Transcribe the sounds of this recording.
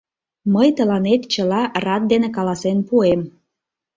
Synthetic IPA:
məjt̪əlɑnet̪t͡ɕəlɑrɑt̪̚d̪enekɑlɑsenpuem

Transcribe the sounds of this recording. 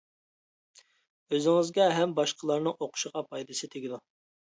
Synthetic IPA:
øzɪŋɪzɡʲɛɦɛmbɑʃqʰəlˠɑɾnɨŋoqʰʊ̥ʃəʁɑpʰɑjd̪ɨsɨt̪ʰeɡʲid̪u

